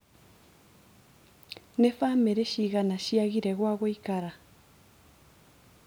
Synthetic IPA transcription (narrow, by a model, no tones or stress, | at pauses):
nefaːmeɾeʃiɣanaɕiaɣiɾɛɣwaɣoikaɾa